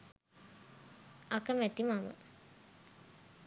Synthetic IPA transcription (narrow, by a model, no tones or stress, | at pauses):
akəmæt̪imamə̰